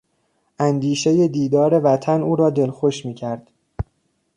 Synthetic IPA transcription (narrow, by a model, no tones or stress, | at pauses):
ʔænd̪iːʃe̞je̞d̪iːd̪ɒːɾe̞væt̪ʰænuːɾɒːd̪e̞lxoʃmiːcʰæɾd̪̥